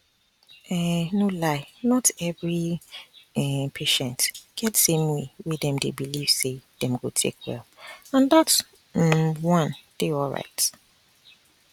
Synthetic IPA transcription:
ɛnolaɪnɔtɛvɹi | ɛpʰeʃɛ̃ntɡ̥ɛtsẽmwewidɛ̃mdebiliv̥sed̥ɛ̃mɡotʰḛkʰwɛ̰lãndats | wɔ̃nd̥eɔlɹa̰ɪt

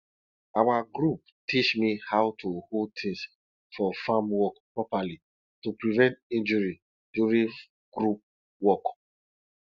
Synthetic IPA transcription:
awaɡɹup̚ | tʰit͡ʃmihawtʰuhotʰẽs | fɔfamwɔkpɹɔpali | tupɹivɛ̃ntĩnd͡ʒuɹi | d̥uɹĩ | ɡ̥ɹup̚ | wɔk

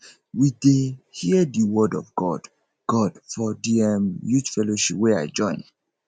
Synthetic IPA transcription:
widehiədiwɔdɔ̰vɡɔd̥ | ɡ̥ɔd̥fɔdiɛmjud͡ʒfɛloʃipwɛa̰ɪd͡ʒɔ̃ɪ̃n

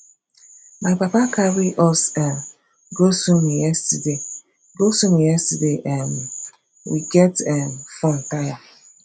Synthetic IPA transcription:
maɪk͡papakaɾiʔɔsɛ | ɡosomijɛstide | ɡosomijɛstideʔɛn | wiɡɛtɛfɔ̃n̩taja

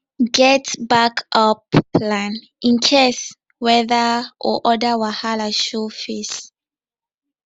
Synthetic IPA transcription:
ɡɛtbakʰɔplãn | ʔĩnkʰes | wɛðəʔɔ̰ʔɔdawahalaʃɔfes

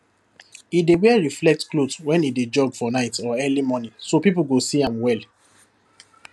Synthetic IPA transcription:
idewɛɹiflɛk̚tklotwɛ̃nided͡ʒɔɡfɔnaɪtɔɛlimɔnĩŋsopipulɡosiãmwɛl

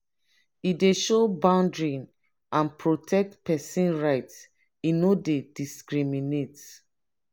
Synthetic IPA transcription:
ideʃobãʊ̃ndɹĩn | ʔãnpɹotʰɛk̚tpɛsĩnɹaɪts | inodediskɹiminet

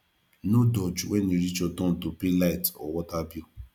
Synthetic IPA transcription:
nodɔt͡ʃwɛniɾit͡ʃɔtɔ̃n̩topelaitɔwɔtabi

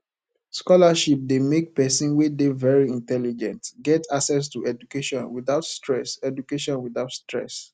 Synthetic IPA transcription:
skɔlaʃip̚demek̚pɛsĩnwedevɛɹiĩntɛlid͡ʒɛ̃ntɡɛtʰaksɛs̬tuʔɛdukeʃɔ̃nwiðaʊtstɹɛsɛdukeʃɔ̃nwiðaʊtstɹɛ̰s

